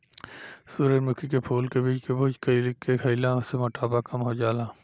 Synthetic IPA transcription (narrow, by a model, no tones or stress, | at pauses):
suːɾemʊkʰikepʰuːlkebiːt͡ʃkebʊd͡ʒkɐlkekʰɐɪlãsemɐʈaːbakɐmɦod͡ʒaːlaː